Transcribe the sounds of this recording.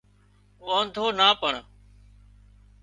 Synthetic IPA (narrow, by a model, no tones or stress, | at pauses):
ʋoːnd̪ʱoːnaːpəɳ